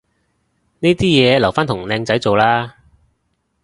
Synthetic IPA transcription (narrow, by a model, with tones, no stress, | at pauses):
neː˥t̪iː˥jɛː˨˧lɐ˨˩wfaː˥nt̪ʰʊ˨˩ŋlɛː˧ŋt͡sɐ˨˥jt͡so˨wlaː˥